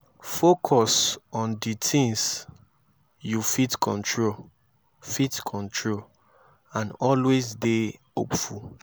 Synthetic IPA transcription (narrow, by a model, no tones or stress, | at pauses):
fokʰɔsɔ̃nditʰĩŋs | jufitkʰɔ̰̃ntʰɹol | fitkʰɔ̃ntʰɹol | ãnɔlwezdehopfu